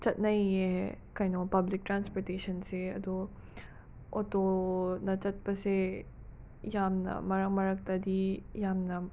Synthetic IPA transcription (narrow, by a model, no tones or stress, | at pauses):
t͡ʃɐt̪̚nɐɦĩjeɦɛkɐinoːpɐblɪk̚ʈɾãːnspoːɾʈeːʃənseɐ̰d̪o | o̰t̪onɐt͡ʃɐt̪̚pɐse | jaːmnɐ̰mɐɾɐkmɐɾɐk̚t̪ad̪iːjaːmnɐ